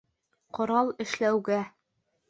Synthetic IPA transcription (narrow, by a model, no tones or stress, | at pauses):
qŏɾɑlˠɘ̆ʃlæwɡæ